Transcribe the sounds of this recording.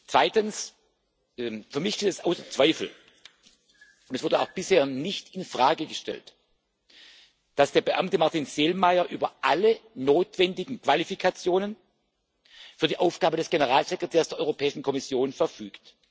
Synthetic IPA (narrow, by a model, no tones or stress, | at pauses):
t͡sv̥aɪtəns | ɛfyːɐmɪçʃteːtɛsʔaʊsɐt͡sv̥aɪfl̩ | ʊndɛsvʊɐdəaʊxb̥ɪsheːɐnɪçtɪnfʁ̥aːɡəɡəʃtɛ̰lt | d̥asd̥eːɐbəʔamtəmaɐtinz̥eːlmaɪɐʔyːbɐʔalənoːtv̥ɛndɪɡŋ̩kv̥alifikʰat͡sjoːnən | fyːɐdiːʔaʊfɡ̥aːbədɛsɡ̥enəʁaːlzekʁ̥etʰɛːɐsd̥eɐɔʏʁopʰɛːɪʃn̩kʰɔmɪsjoːnfɛɐfyːkt